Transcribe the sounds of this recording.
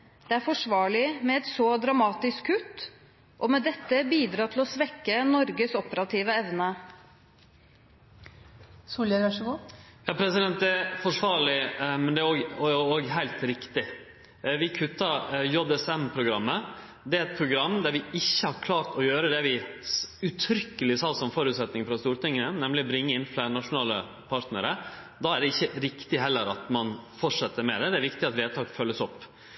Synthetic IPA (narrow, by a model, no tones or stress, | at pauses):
d̪̥ɛæɾfɔʂʋɑːɭɪmɛɛt̪sɔd̪ɾɑmɑːt̪ɪskʰːʉt̪ː | ʔɔmɛd̪ɛt̪ːəbiːd̪ɾɑːt̪ʰɪlɔsʋɛkːənɔɾɡəsɔpəɾɑt̪ʰiːʋəɛʋnə | suːljəɾʋæʂɡuːjɑːpʰɾɛsɪd̪ɛnt̪̚d̪ɛæfɔʂʋɑːɾɭɪmɛnd̪ɛæɾoːɡoːɡɦæɪlt̪ɾɪkt̪ɪ | ʋɪkʰʉt̪ːɑjɔd̪ɛsɛmpʰɾʊɡɾɑmːə | d̪ɛɛt̪̚pʰɾʊɡɾɑmːd̪æɾʋɪɪçːəhɑɾkʰlɑːɾt̪ɔjøːɾəd̪ɛʋɪ | ʉt̪ʰɾʏkːəlɪsɑːsɔmfɔɾʉːt̪sɛt̪nɪŋfɾɑst̪uːɾt̪ɪŋːənənɛmlɪɔbɾɪŋːəɪnːflænɑʂʊnɑːlə̰ | pʰɑɾt̪nə̰ɾə | d̪ɑːæɖɛɪçːəɾɪkt̪ɪɦɛlːəɾɑ̰t̪mɑnfɔʈʂɛt̪ːəɾmɛ̰d̪ɛd̪ɛæɾʋɪkt̪ɪɑt̪ʋeːt̪ɑːkfœlːəsɔpː